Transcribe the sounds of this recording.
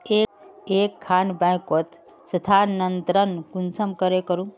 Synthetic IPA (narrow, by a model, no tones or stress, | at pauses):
eekʰːanbãjkot̪ | sət̪ʰanənt̪ɾənkunsəmkəɾekəɾũ